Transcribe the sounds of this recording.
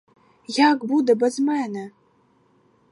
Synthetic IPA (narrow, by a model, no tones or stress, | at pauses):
jakbud̪ɐbɐzmɛnɐ